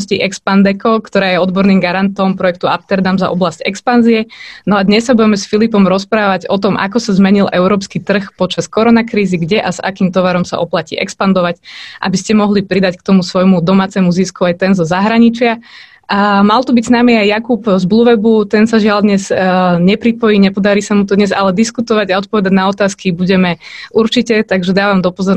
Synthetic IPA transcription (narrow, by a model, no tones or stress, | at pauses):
sciʔɛkspand̪ɛkɔkt̪ɔɾaːjɛɔd̪bɔɾniːmɡaɾant̪ɔmpɾɔjɛk̚t̪ua̰pt̪ɛɾd̪amza̰ʔɔ̰blascɛ̰kspanziɛnɔad̪ɲɛsːabuɟɛmɛsfilipɔmɾɔspɾaːʋaɟɔt̪ɔmʔa̰kɔsazmɛɲilʔɛʊɾɔːpskit̪r̩xpɔt͡ʃaskɔɾɔnakɾiːziɡɟɛʔaza̰kiːmt̪ɔʋaɾɔmsa̰ʔɔplacḭːʔɛ̰kspand̪ɔʋacʔa̰biscɛmɔɦlipɾid̪ackt̪ɔmusʋɔjmud̪ɔmaːt͡sɛmuziskuajt̪ɛnzɔzaɦɾaɲit͡ʃɪa | malˠt̪ubiɟsnamiajːakupzbluʋɛbut̪ɛnsaʒɪald̪ɲɛzɲɛpɾipɔjiɲɛpɔd̪aɾiːsamut̪ɔd̪ɲɛza̰lɛd̪iskut̪ɔʋaɟaɔt̪̚pɔʋɛd̪aɟnaɔt̪aːskibuɟɛmɛʔuɾt͡ʃicɛt̪aɡʒɛd̪aːʋamd̪ɔpɔzɔɾ